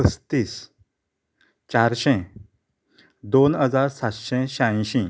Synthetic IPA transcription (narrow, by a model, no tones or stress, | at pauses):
əst̪iːs | t͡ɕaɾɕɛ̃ | d̪onɦəd͡zaɾsat̪ɕɛ̃ɕãj̃ɕĩ